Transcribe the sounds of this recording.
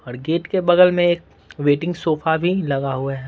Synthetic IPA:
ɔːɾɡeːʈkebɐɡəlmẽeːk̚ | ʋeːʈɪ̃ŋɡsoːfabʱilɐɡaɦʊaɦɛ

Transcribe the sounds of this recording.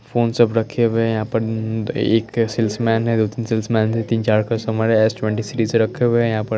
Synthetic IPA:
foːnsɐbɾɐkʰebejɐɦãːpɐɾḛːksɪlsmɛːnɦɛ̃d̪oːt̪iːnsɪlsmɛːnt̪ɛt̪iːnt͡ʃaːɾkasɐməɾɦɛesʈwɛ̃ɳʈisiɾiːzɾɐkʰebejɐɦãːpə

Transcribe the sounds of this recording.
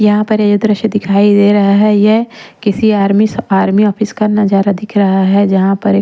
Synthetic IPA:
jɐɦãpɐɾɐd͡ʒəd̪ɾəʃjəd̪ɪkʰaːid̪eɾɐɦaɦɛjekɪsiaːɾmisaːɾmiɔːpʰɪskanɐd͡ʒaːɾad̪ɪkʰɾɐɦaɦɛd͡ʒɐɦãpɐɾ

